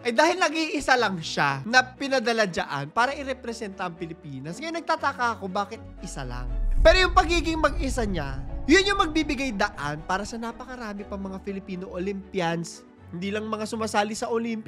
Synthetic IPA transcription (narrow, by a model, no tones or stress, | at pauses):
ʔɐjd̪aːhɪlnɐɡʔiʔɪsalɐŋʃanɐpɪnɐd̪ɐlad͡ʒɐʔa̰npaːɾɐʔɪɾɛpɾɛsɛnt̪ɐʔɐŋpɪlɪpiːnɐsŋɐjanɐɡ̚t̪aːt̪akaːɐko̞baːkɪt̪̚ʔɪsala̰ŋpɛːɾojʊŋpɐɡiːɡɪŋmɐɡʔɪsaɲajʊnjʊŋmɐɡ̚biːbɪɡajd̪ɐʔanpaːɾɐsɐnapɐkɐɾaːmɪpɐŋmɐŋafɪlɪpiːnoʔolimpjɐns | hɪnd̪iːlɐŋmɐŋasʊmaːsaːlɪsɐʔolimpɪ